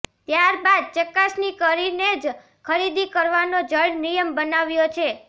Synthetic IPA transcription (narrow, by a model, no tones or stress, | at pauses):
t̪jaɾbad̪̚t͡ʃəkasnikəɾined͡ʒ | kʰəɾid̪ikəɾʋanod͡ʒəɭnijəmbənaʋjot͡ʃʰe